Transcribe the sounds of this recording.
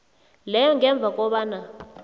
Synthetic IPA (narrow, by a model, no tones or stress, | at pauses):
lɛjɔŋɛɱb̪vʱakʼɔɓaːna